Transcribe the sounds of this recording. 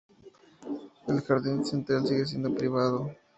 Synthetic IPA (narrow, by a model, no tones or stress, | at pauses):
elxaɾðinsent̪ɾalsiɣe̞s̬jend̪opɾiβað̞o